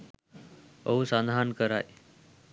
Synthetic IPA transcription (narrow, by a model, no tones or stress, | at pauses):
əusãnd̪ʱankəɾaj